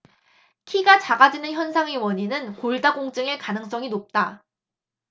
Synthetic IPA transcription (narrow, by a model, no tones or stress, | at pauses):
kʰiɡat͡ɕaɡad͡ʑinɯnçjʌnsʰaŋewʌɲinɯnkoɭdaɡoŋt͡ɕ͈ɯŋeɭkanɯŋs͈ʌŋinop̚t͈a